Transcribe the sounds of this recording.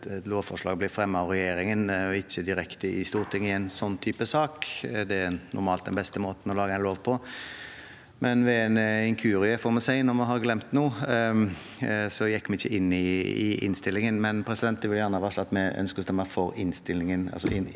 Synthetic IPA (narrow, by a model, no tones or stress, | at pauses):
t̪loːʋfɔʂlɑːɡblɪfɾɛmːəɑʋɾɛjeːɾɪŋənɔɪçːəd̪ɪɾɛkt̪əɪst̪uːɾt̪ʰɪŋːɪɛɪnsɔnːt̪ʰyːpəsɑːkd̪ɛæɾnʊ̰ɾmɑːl̚d̪ɛnbɛst̪əmoːt̪n̩ɔlɑːɡəɛɪnloːʋpʰɔ | mʔɛnʋɛæɪnɪŋkʰʉːɾɪəfɔɾmɛsæɪnɔɾmɑɦɑɾɡlɛmt̪nuː | sɔjɛkːmɛɪçːəʔɪnːɪɪ̰ɪ̰nst̪ɪlːɪŋənmɛnpʰɾɛsɪd̪ɛnt̪ːɛʋɪljæʁnəɑʋɑːʂlɑt̪mɛœ̰nskəst̪ɛmæfɔɾɪnst̪ɪlːɪŋənɑ̰lsɔ̰ʔɪn